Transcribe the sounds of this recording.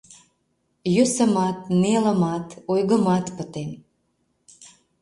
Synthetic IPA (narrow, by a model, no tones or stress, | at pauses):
jøsə̆mɑt̪nelə̆mɑt̪ojɣəmɑt̪pət̪en